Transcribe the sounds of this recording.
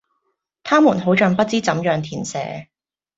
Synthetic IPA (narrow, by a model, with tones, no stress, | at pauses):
t̪ʰaː˥muː˨˩nɦo˨˥wt͡ʃœː˨˧ŋpɐ˥t̚t͡siː˥t͡sɐ˨˥mjœː˨ŋt̪ʰiː˨˩nsɛ̰ː˨˥